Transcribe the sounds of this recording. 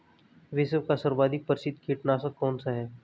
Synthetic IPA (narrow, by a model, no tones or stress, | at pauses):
ʋɪswkasəɾbaːd̪ʱɪk̚pəɾsɪd̪kʰiːʈnasakɔːnsaɦɛː